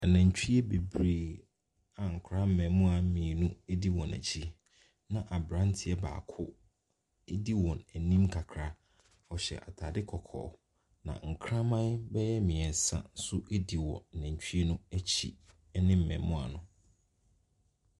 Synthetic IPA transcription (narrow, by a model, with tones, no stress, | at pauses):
ɛ˨næ̃˨ɲ˨t͡ɕᶣi˦e˦be˨bɾeː˨ | a˨ŋ̩˨kʰɾa˦m̩˦mɛ̃˨mʊ̃˦a˨˦mĩ˨nũ˦e˦di˦wɔ̃˨næ̰˨t͡ɕʰi˦ | nã˨ʔa˨bɾã˦n˦tʰɪ˦ɛ˦ba̰ː˨kʰʊ˦ | e˦di˦wɔ̃˨næ˨nĩ˦mkʰa˨kʰɾa˦ | ɔ˨ɕɛ̰˨ʔa˨tʰaː˨dɪ˦kʰɔ˨kʰɔ̰ː˨ | nã̰˨ŋ̩˨kʰɾã˦mã˦nbɛ˦jɛ˦mĩ˨ɛ˨n˨sã̰˦n̩˦sʊ˦ʔe˦di˨wɔ̰̃˨næ̃˨ɲ˨t͡ɕᶣi˦e˦nũ˦æ˦t͡ɕʰḭ˨˦ | nɪ̃˦m̩˨mɛ̰̃˨mmʊ̃˦a̰˨nʊ̃˨